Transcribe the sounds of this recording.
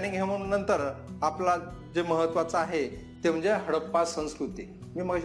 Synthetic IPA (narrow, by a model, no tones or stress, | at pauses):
niŋɡʱeʋənənt̪əɾapla | d͡zeməɦət̪ːʋat͡səaɦe | t̪em̤ə̃ɲd͡zeɦəɽəpːasə̃w̃skɾut̪i | miːm̤əɡaɕ